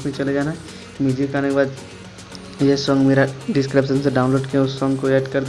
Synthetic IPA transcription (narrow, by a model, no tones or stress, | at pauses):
kmẽt͡ʃɐled͡ʒaːnaɦɛ | mid͡ʒʱikaːnekebaːd̪ | jesɔːŋɡmeːɾaɖɪskɾɪpʃənseɖaːʊ̃nloːɖkiẽʊsːɔ̃ːŋɡkoeːʈkɐɾd̪